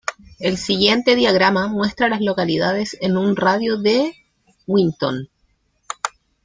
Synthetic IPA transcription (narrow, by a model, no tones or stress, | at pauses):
elsiɣje̞nt̪e̞ðjaɣɾamamwe̞st̪ɾalazlo̞kaliðaðe̞senunraðjoðe | wint̪o̰n